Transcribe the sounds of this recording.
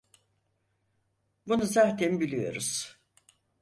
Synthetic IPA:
bunuzaːt̪ʰɛnbilʲijo̞̰ɾuz̥

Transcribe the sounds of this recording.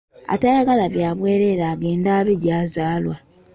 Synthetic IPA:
a̰tajaɡalaβjaːβwe̞ːɾe̞ɾaːɡe̞ːndaːβeɟaːzaːlwa

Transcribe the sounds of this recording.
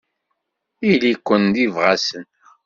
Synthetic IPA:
ilikʷːənd̪ivʁasən

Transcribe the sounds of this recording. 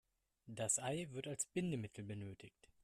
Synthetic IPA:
d̥asʔaɪvɪɐtalsb̥ɪndəmɪtʰl̩bənøːtʰɪçt

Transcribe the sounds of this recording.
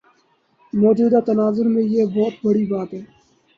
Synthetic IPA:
mɔːd͡ʒuːd̪aːt̪ənaːzəɾmẽjeːbɔːt̪bəɽibaːt̪ɦɛː

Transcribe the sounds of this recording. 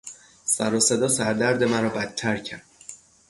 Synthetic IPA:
sæɾɒːse̞d̪ɒːsæɾd̪æɾd̪e̞mæɾɒːbæt̪ʰːæɾcʰæɾd̪̥̚

